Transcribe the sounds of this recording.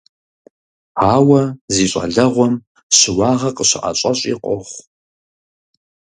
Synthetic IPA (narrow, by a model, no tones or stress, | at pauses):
aːwɐziːɕʼɐ̰ɮɐʁʷɔm | ɕɪwɑːʁɐqəɕɪʔa̰ɕʼɐɕʼḭqʷʼɔχʷ